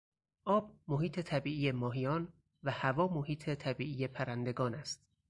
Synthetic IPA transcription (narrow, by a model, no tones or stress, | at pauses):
ʔɒːb̚moɦiːt̪ʰe̞t̪ʰæbiːʔiːje̞mɒːɦijɒːn | væhævɒːmohiːt̪ʰet̪ʰæbiːʔiːje̞pʰæɾænd̪e̞ɡɒːnæst̪̚